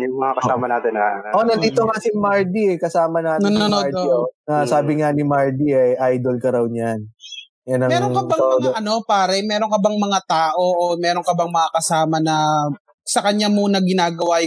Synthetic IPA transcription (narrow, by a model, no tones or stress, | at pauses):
jʊŋmɐŋakɐsaːmɐnaːt̪ɪnɐ̰ʔo̞nɐnd̪iːt̪oŋasimaɹd̪iɛkɐsaːmɐnaːt̪nɐnɐnod̪ionɐsaːbɪŋanɪmaɹd̪iɐjʔajd̪olkɐɾɐwɲan | jɐnɐmɛːɾoŋkɐbɐŋŋʔɐno̞paːɾɛmɛːɾoŋkɐbɐŋmɐŋat̪aːʔo̞ʔomɛːɾo̞ŋkɐbɐŋmɐŋakɐsaːmɐnɐ | sɐkɐɲamuːnɐɡɪnaːɡɐwa